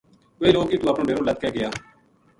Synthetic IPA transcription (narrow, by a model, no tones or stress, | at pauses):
eːloːkiːt̪ũːəpnõːɖeːɾõːləkkɛːɡɪjaː